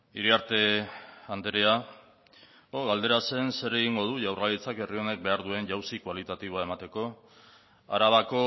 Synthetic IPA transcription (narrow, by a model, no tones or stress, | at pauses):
iɾiaɾt̪e̞and̪eɾea | oɣald̪e̞ɾase̞nse̞ɾe̞ɣiŋɡo̞ð̞uʝawralit͡sake̞rio̞ne̞k̚be̞aɾðue̞nʝawsikwalit̪at̪iβoae̞mat̪e̞ko̞ | a̰ɾaβako̞